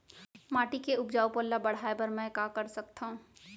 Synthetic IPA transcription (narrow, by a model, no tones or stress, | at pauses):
maːʈikeʊpd͡ʒaːupoːlːabɐɽ̤aːebəɾmɛ̃kakəɾsɐkt̪aɦũː